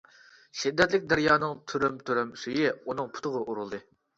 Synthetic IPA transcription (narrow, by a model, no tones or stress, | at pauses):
ʃid̪ːɛt̪lɪkʲd̪æɾjɑːnɨŋt̪ʰyɾymt̪ʰyɾymsyjɪunɨŋpʰʊ̥t̪ʰʊʁəʔuɾulˠd̪ɨ